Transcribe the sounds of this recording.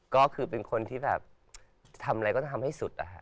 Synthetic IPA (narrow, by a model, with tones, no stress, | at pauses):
kɔː˥˩kʰɯː˧pe˧nkʰo˧nt̪ʰiː˥˩bɛ̰ː˨˩p̚ | t̪ʰa˧mʔa˧ɾa˧jkɔː˥˩˧mha˥˩jsu˨˩t̪̚ʔa̰˨˩kʰa˦˥ʔ